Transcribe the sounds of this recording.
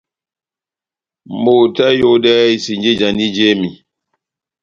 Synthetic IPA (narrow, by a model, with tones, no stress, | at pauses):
mbo˨ta˦jo˦ɗɛ˦i˦si˨nd͡ʒe˦d͡ʒa˨ni˦d͡ʒe˦mi˨